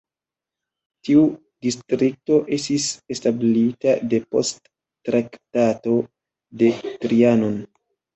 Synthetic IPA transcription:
tiu | distɾik̚to̞ʔe̞stise̞stablitade̞po̞̰stː | ɾaktato̞ | de̞tɾianon

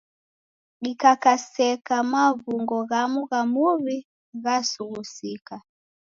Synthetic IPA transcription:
ɡikakasɛkamaβuŋɡɔɣamuɣamuβi | ɣasuɣusika

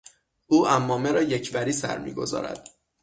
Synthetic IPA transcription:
ʔuːʔæmːɒːmeɾɒːjecʰvæɾiːsæ̰ɾmḭːɡo̞zɒ̰ːɾæ̰d̪̥

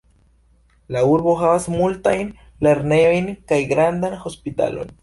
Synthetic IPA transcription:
lauɾbo̞ɦavasmultajn | le̞ɾne̞jo̞jnkajɡɾandanho̞spita̰lo̞̰n

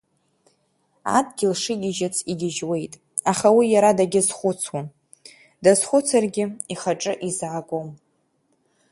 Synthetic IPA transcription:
a̰dɡʲɪlʂɨɡʲɪʒat͡sʰiɡʲɪʒwe̞jtʼ | aχawijaɾadaɡʲɪzχʷʊt͡sʰwan | dazχʷʊt͡sʰarɡʲɪiχaʈ͡ʂʼɨʔizʕaɡʷʼom

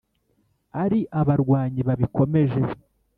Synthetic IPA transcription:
aɾiʔaβaɾɡwaːɲiβaβiko̞me̞ʒe̞

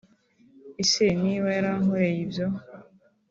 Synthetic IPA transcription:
iseniwajɾaŋoɾejibjo

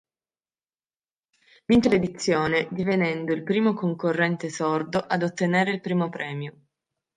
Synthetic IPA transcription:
mint̪eled̪it̪sːjoːned̪ivenɛnd̪oilpɾiːmokoŋkorːɛnt̪esord̪oʔad̪ot̪ːeneːɾeilpɾiːmopɾɛːmjo

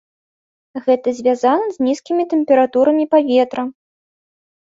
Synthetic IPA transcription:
ɣɛt̪ɐzʲvʲazanɐzʲnʲiskʲimʲit̪ɛmpʲɛɾat̪uɾɐmʲipavʲet̪ɾɐ

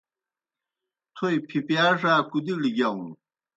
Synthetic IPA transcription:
t̪ʰojpʰipjaːʂaːkud̪iliɡaũ

